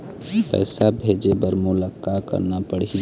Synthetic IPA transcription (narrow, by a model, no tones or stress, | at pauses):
pɛ̰ːsabʱeːd͡ʒebəɾmʊləkːakə̰ɾnapəɽ̤i